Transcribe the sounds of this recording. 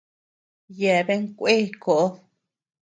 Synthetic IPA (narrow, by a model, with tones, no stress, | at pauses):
jɛ˨βe˦ŋ˦kʷe˦ko˨ʔo˦